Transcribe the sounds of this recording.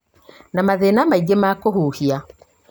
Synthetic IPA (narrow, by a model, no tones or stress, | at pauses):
namaðenamaiɡemakohuːhia